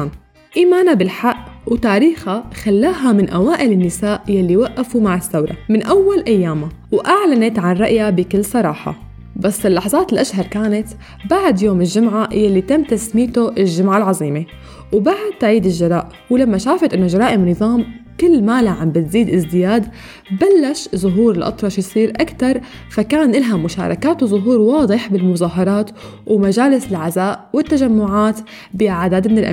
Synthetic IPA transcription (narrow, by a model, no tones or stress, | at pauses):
n | ʔiːmaːnabɪlħaʔwt̪aːɾiːxaxalːaːɦamɪnʔawaːʔɪlɪnːɪsaːʔjalːiwaʔːafumaʕɪθːawɾˤɑ̰mɪnʔawːalʔajːaːma | wʔaʕlanat̪ʕanɾˤɑʔjabɪkɪlːsˤɑɾˤɑːħɑ̰ | basːɪlːɑħzˤɑːt̪ɪlʔaʃɦɑɾˤkaːnat̪ | baʕd̪joːmɪlʒʊmʕajalːit̪amːt̪asmiːt̪oʔɪlʒɪmʕalʕɑzˤiːme | wbaʕɪd̪̚t̪aʕiːd̪ɪʒʒːɑɾˤɑ̰ːʔ | wlamːaʃaːfɪt̪ʔɪnːoʒɑɾˤɑːʔɪmnɨðˤɑːmkɪlːmaːlaʕambɪt̪ziːd̪ʔɪzd̪ɪjaːd̪ | balːaʃzʊɦuːɾɪlʔɑ̰t̪ˤɾˤɑʃjsˤiːɾʔakt̪ɑɾˤ | fakaːnʔɪlɦamːʊʃa̰ːɾˤɑ̰kaːt̪wzˤʊɦuːɾwɑːd̪ˤɨħbɪlmʊzˤɑːɦɑɾˤɑːt̪wmad͡ʒaːlɪsɪlʕazaːʔwɪt̪ːaʒamːʊʕaːt̪ | bɪʔʕd̪aːd̪mɪnɪlʔa̰